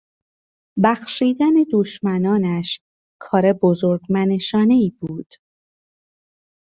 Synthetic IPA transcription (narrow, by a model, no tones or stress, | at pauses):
bæxʃiːd̪æned̪oʃmænɒːnæʃ | kʰɒːɾebozoɾɡmæneʃɒːne̞iːbuːd̪̥